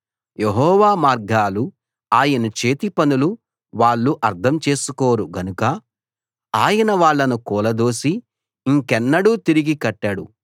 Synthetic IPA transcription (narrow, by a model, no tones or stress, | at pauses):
jeɦɔːʋaːmaːɾɡaːlu | aːjɐnɐt͡ʃe̞ːt̪ipɐnulu | ʋaːɭːuʔɐɾt̪ʰɐmt͡ʃe̞ːsukoːɾuɡɐnukɐ | aːjɐnɐʋaːɭːɐnukɔːlɐd̪o̞ːsi | iŋkɛnːɐɽuːt̪iɾiɡikɐʈːaɽṵ